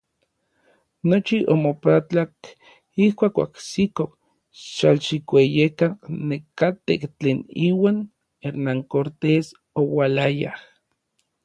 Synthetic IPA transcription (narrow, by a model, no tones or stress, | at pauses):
not͡ʃiʔomopat͡ɬak | ihkʷaːkʷa̰ksikok | ʃalʃikʷejekanekat̪ekt͡ɬeːniːwaːn | eɾnaŋkoɾt̪es | owalajah